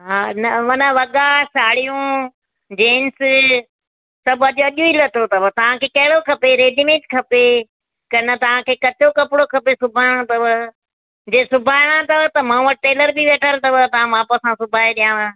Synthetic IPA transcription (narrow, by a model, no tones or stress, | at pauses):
ɦãːnɐʋɐnəʋɐɠɡasaːɽijũ | d͡ʑeːns | sɐbɐʄɐʄũilət̪ʰot̪ɐʋət̪ɐʋ̤ãkʰeːkɐɦɪɽokʰɐpeɾeːdimẽːʈkʰɐpe | kɐnət̪ɐʋ̤ãkʰeːkɐt͡ɕokɐpɪɽokʰɐpesʊbʱaːɪɽ̃ãt̪ɐʋə | d͡ʑeːsʊbʱaːɪɽ̃ãt̪ɐʋət̪ɐmãːʋɐʈeːləɾbiʋeːʈʰəlt̪ɐʋət̪ɐʋãmãːpəsãsʊbʱaːeɗijãːɽa